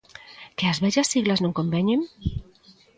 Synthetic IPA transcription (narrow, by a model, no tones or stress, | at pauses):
keazβɛʒasːiɣlaznoŋkombɛɲem